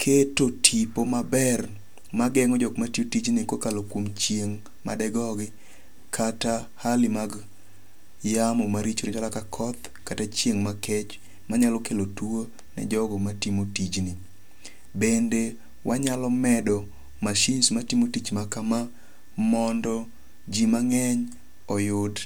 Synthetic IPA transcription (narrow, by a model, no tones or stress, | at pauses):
kʰetotʰipomabɛr | maɡɛŋɔd͡ʒɔɡmatiotid͡ʒnɪkokalokwomt͡ʃjeŋ | ma̰dɛɡɔɡɪ | kʰata | halɪmaɡ | jamɔmaɾit͡ʃoɾɪd͡ʒalakakʰɔt̪ | katat͡ʃjeŋmakɛt͡ʃ | maɲalɔkelotuo | nɛ̰d͡ʒɔɡɔmatimotid͡ʒnɪ | bende | wʔaɲalɔmɛdɔ | maʃinsmatimotit͡ʃmakama | mɔndɔ | d͡ʒimaŋɛɲ | ɔjʊd